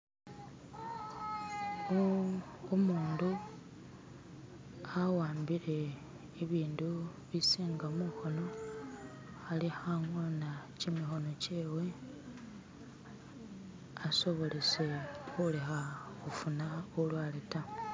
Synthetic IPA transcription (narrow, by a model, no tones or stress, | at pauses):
umuːndu | awaːmbiɾe̞ː | βiːndu | βisiːŋɡamuxo̞no̞ | xalixaŋonacimixo̞no̞ce̞ːwe̞ | aso̞βo̞le̞se̞xule̞xaxufunaulwaːleta